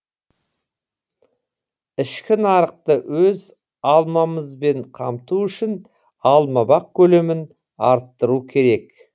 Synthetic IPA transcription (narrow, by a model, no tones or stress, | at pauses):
ɪʃkʲɪnɑɾəq̚t̪əwʔɵz | ɑlˠmɑməzbe̞ɴqʰɑmt̪uʏʃɪn | ɑlˠmɑbɑq̚kʲʰɵle̞mɪn | ɑɾt̪ːəɾukʲʰe̞ɾe̞k